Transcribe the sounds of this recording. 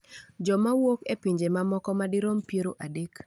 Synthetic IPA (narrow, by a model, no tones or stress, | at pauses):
d͡ʒɔmawokepiɲd͡ʒemamɔkɔmadɪɾompjeɾoʔadek